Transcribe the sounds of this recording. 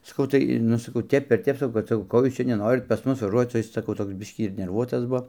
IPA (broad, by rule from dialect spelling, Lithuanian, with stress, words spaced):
sɐˈkɐʊ tɐɪ ˈnʊ sɐˈkɐʊ ˈtʲɛp ɪr ˈtʲɛp sɐˈkɐʊ ˈkoː ˈjuːs ˈt͡ʃʲɛ nʲɛˈnoːrʲɪt pɐs ˈmʊs ʋɐˈʒuɔt͡s oː ˈjɪs sɐˈkɐʊ ˈtoːks ˈbʲɪʃʲkʲiː ɪr nʲɛrˈʋuɔtɐs ˈbuɔ